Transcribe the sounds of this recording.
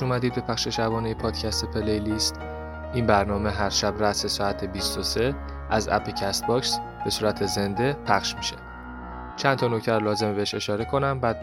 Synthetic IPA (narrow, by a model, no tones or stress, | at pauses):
uːmæd̪iːd̪̚be̞pʰæχʃe̞ʃæbɒːnejepʰɒːd̪cʰæst̪epʰelejlist̪ | inbæɾnɒːme̞ɦæɾʃæbɾæsesɒːæt̪ʰebist̪ose̞ | æzæ̰pʰecʰæst̪̚bɒːksb̥e̞suːɾæt̪ʰe̞ze̞nd̪e̞pʰæχʃmi̥ʃe | t͡ʃʰænt̪ʰɒnocʰt̪ʰæɾlɒːze̞mbeeʃe̞ʃɒːɾe̞kʰo̞næmbæd̪̚